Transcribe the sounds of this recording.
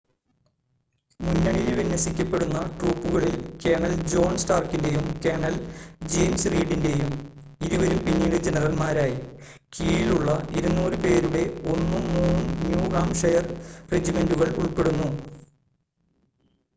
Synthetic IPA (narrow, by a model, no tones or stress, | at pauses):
munːɐɳilʋinːɐsikʲːɐpːe̞ɽunːɐʈruːpːuɣɐɭilke̞ːɳɐld͡ʑo̞ːnsʈaːrkinde̞jumke̞ːɳɐld͡ʑeːmsriːɽinde̞jum | iðuʋɐɾumpinːiɽed͡ʑenɐrɐlmaːɾaːji | kiːɭiluɭːɐʔiɾunːuːɾɨpe̞ːɾuɽe̞o̞nːɨmuːnnjuːɡaːmʂɐjɐrred͡ʑime̞nduɣɐɭṵɭpe̞ɽunːu